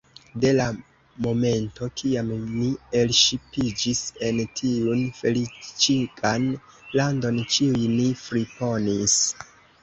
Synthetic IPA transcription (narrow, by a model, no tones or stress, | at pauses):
de̞la | mo̞me̞nto̞kiamnie̞lʃipid͡ʒise̞ntʰiunfe̞lit͡ʃikʼan | lando̞nkiujnifɾipo̞nis